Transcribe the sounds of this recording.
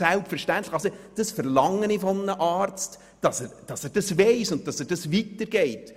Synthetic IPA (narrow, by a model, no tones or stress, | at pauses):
sɛlˠpfɛɾʃtæntlɪ̥xɑlsod̥ɑsfəɾlɑŋːənifɔmənəʔɑːɾt͡st | d̥ɑsɛɾd̥ɑsɛɾd̥ɑsveɪsʊnt̚tɑsɛd̥ɑsvitːəɾɡ̥eɪt